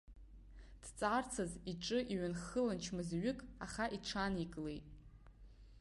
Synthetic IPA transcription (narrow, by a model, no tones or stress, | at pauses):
d̥t͡sʼart͡sʰaziʈ͡ʂʼɨʔiɥanχɨlant͡ʃʰmɨzɥʏkʼaχaʔiʈ͡ʂʰanikʼle̞̰jtʼ